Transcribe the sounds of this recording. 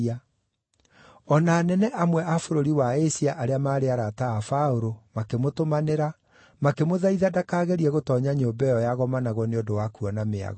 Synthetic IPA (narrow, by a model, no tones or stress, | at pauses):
a | ɔnaːnɛnɛʔamwɛʔafoɾoɾiwaesiaʔaɾeamaːɾeaɾataːfaoɾomakemotomaneɾa | makemoðaiðadakaːɣeɾiɛɣotɔːɲaɲoːbɛjɔjaɣɔmanaɣɔneondowakuɔnamea̰ɣɔ